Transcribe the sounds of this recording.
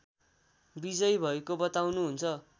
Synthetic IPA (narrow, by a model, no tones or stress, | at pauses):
bid͡zʌjbʱʌekobʌt̪awnuɦunt͡sʰʌ